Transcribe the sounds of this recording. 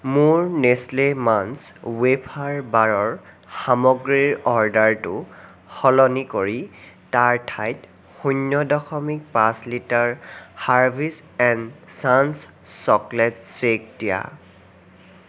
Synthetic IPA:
mʊɹneslemanswepʰaɹbaɹɔɹ | xamɔɡɹiɹɔɹdaɹtʊ̰ | xɔlɔnikoɹitaɹtʰajt | xunːɔdɔxɔmik̚pãslitaɹhaɹbʱisɛnsans | sɔklɛt̚sek̚dija̰

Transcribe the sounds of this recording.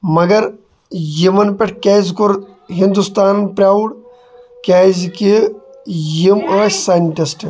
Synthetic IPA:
mɐɡɐɾ | jimɐnpeʈʰkeːzkuɾ | ɦind̪ust̪aːnpɾʲaːwɽ | kɛːzki | jimaːʃsaːjnʈisʈ

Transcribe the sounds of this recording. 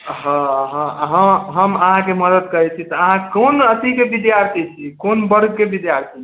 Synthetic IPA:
ɦə̃ɦə̃ɦə̃ɦəməɦãkeməd̪əd̪kəɾɛt͡ʃʰit̪ɔːɦãkonət̪ikebid̪jaɾt̪ʰit͡ʃʰikonbəɾɡ̚ʱkebid̪jaɾt̪ʰi

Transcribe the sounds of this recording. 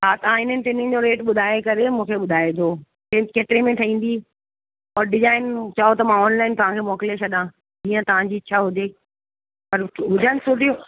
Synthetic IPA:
ɦat̪ɐʋ̤ãɪn̤ənɪ̆t̪ɪnɪ̃d͡ʑoɾeːʈɓʊd̪ʱaːekɐɾemũːkʰeɓʊd̪ʱaːet̪ʰoː | kekeːʈɾemẽt̪ʰɐĩːn̆d̪i | ɔːɾɖɪzaːɪnt͡ɕaːɦot̪ɐmãɔːnlaːɪnt̪ɐʋ̤ãkʰemɔːkɪlet͡ɕʰɐɗãː | d͡ʑiːə̃t̪ɐʋ̤ãd͡ʑiːt͡ɕʰaːɦʊd͡ʑeː | pɐɾɦʊd͡ʑʱanɪsʊʈijo

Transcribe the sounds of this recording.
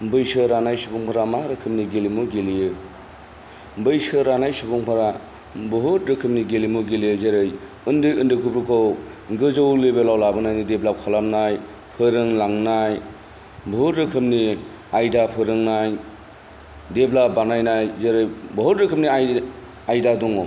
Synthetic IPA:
bɯjsɯɾanajsubuŋpʰaɾamaɾɯkʰɯmniɡelimuɡelijɯ | bɯjsɯɾanajsubuŋpʰaɾa | bɯɦutɾɯkʰɯm̚niɡelimuɡelijɯzeɾɯj | ɯndɯɯndɯkʰɯpɾukʰowɡɯzowlebelawlabɯnajnideblakʰalamnaj | pʰɯɾɯŋlaŋnaj | bɔɦutɾɯkʰɯmni | ajdapʰɯɾɯŋnaj | deblabanajnajzeɾɯjbɔɦutɾɯkʰɯp̚nia | ajdadɔŋɔ

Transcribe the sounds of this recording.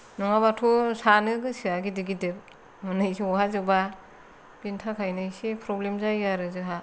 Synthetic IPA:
nɔŋabatʰusanɯɡɯsɯaɡidiɡidɯp̚ | mɯnɯjsiɔhazɯba | b̥intʰakʰajnɯjsipʰɾɔblemzajaɾɯzɯɦa

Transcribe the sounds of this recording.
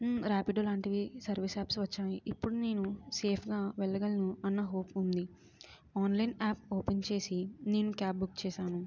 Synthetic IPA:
ɾaːpiɖolaːɳʈiʋisɐɾʋisaːpsʋɐt͡ʃːaːjiʔipːuɽune̞ːnuse̞ːpʰɡaːʋɛɭːɐɡɐlinuɐnːɐɦo̞ːpund̪i | aːnlɐjnaːp̚oːpent͡ʃe̞ːsine̞ːnukaːp̚bukt͡ʃɛːʃaːnu

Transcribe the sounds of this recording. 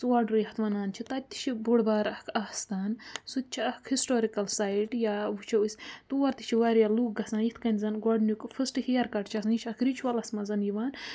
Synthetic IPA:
swaɖɾɨjhɐt̪ʋɐnaːnt͡ʃʰit̪ɐt̪ːi̥t͡ʃʰibuɽbaːɾɐkʰast̪aːnsut̪̚t͡ʃʰiɐkʰhisʈoːɾikɐlsaːjiʈjaʋut͡ʃʰɐisʲt̪uʋɐɾt̪i̥t͡ʃʰiʋaɾjaluːk̚ɡɐsãːnjit̪ʰkɐnʲzɐnɡaɖnukfɨsʈɨhiɐɾkɐʈt͡ʃʰɐsnit͡ʃʰɐkʰɾit͡ʃʰwɐlɐsmɐzɐnjiʋaːn

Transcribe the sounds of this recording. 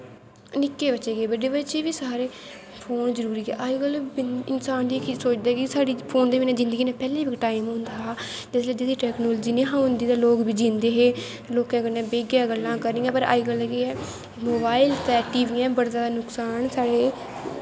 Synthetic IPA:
nɪkːeːbəʃeːɡeːbəɖeːbət͡ʃeːʋiːsaːɾeː | pʰoːnzəɾuːɾiːɦɛ̰ːʔaːiɡəlbɪnsaːnd̪iːkisoːt͡ʃd̪ɛːkɪsaːɽiːpʰoːnd̪eːbɪːnẽːd͡ʒɪ̃nd̪əɡiːneːpɛːleːbɪkʈaːɪmɦʊ̃nd̪aːɦaː | d͡ʒ̪ɪsleːd͡ʒeːd̪iːʈɛːknoːld͡ʒiːnẽːɦãːɦʊnd̪iːt̪ãːloːkbiːd͡ʒĩːnd̪eːɦeː | loːkãːkənɛ̃ːbeːɡjaːɡəlːãːkəɾnĩːɛ̃ːpəɾa̰ːiɡəlːɛkeːɛː | moːbaːɪlt̪ɛːʈiːʋiːɛ̃ːbəɽd͡ʒaːd̪aːnʊksaːnsaːɽeː

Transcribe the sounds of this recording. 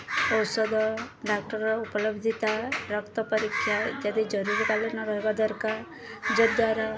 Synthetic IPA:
ɔwsɔd̪ɔɖak̚ʈəɾɔupɔləbd̪ʱit̪aɾʌkt̪ɔpəɾikʰːjad͡ʒad̪id͡ʒɔɾuɾk̪alenɔɾɔɦeɡad̪əɾkaɾ | d͡ʒəd̪aɾa

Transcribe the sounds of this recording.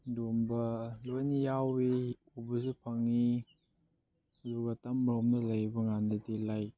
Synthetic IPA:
dumbɐlojnijawi | ubɐzupʰɐŋi | luɡatɐmɾomnɐlɐjbɐŋandɐdilaj

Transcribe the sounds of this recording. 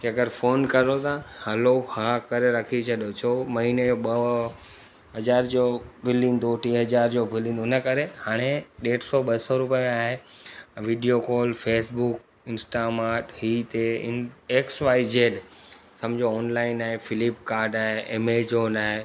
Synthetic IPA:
eɐɡəɾfʰoːnkɐɾot̪ʰahɐlohaːkɐɾeɾɐkʰit͡ɕʰɐɗjot͡ɕʰoːmɐɦiːned͡ʑoːɓɐ | ɦɐzaːɾd͡ʑoːbʱɪlĩːnd̪oʈiːɦɐzaːɾd͡ʑoːbʱɪlĩnd̪onəkɐɾehaːɽ̃eɗeːʈsɔɓɐsɔɾupijmẽaːɦeʋiɖijokoːlfeːsbuk̚ | ɪnsʈamaːʈɦiːt̪eɪ̰eːksʋaːid͡ʑeːɗ | sɐ̃md͡ʑoːnlaːɪnaːɦefɪlɪp̚kaːɾɖaːɦeeːmed͡ʑoːnaːɦe

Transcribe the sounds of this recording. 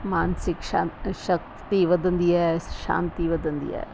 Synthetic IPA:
maːnsɪkʃaʃək̚ | t̪iʋəd̪ənd̪iɛʃa̰ːnt̪iʋəd̪ənd̪ḭɛ̰ː

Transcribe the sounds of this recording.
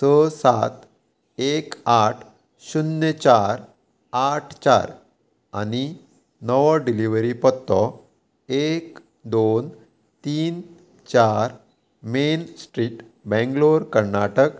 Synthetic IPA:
səsat̪ | ekaʈʰ | ɕunjət͡ɕaɾ | aʈʰt͡ɕa̰ɾ | a̰ni | nəʋɔɖiliʋəɾipɔt̪ːɔ | ek | d̪on | t̪iːn | t͡ɕaɾ | mensʈɾiːʈ | bɛ̃ŋɡloɾkəɾnaʈək

